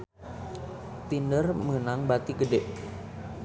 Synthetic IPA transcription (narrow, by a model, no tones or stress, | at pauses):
t̪indərmənaŋbat̪iɡədeʔ